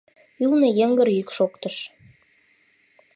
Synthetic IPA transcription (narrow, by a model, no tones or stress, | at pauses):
ylnĕjə̆ŋɡə̆ɾykʃokt̪əʃ